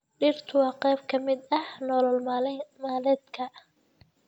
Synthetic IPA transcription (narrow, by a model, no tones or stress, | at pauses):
ɖirt̪ʰʊwɑːqɛjb̚kʰɐmɪd̪ɐhnɔːlɔlmaːlɛːd̪kʰɐ